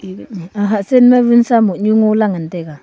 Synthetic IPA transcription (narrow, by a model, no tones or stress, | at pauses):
aɦasenmavinsamoɲuŋolaŋəndɛɡa